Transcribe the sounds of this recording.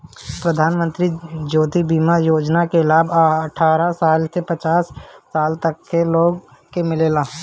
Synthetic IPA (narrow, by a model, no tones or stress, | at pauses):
pɾəd̪ʱaːnmə̃nt̪ɾid͡ʒoːt̪ibiːmajoːd͡ʒnakelaːbəʈʰaːɾasaːlt̪ʰepət͡ʃaːsːaːlt̪əkːeloːɡ | kemɪleːlaː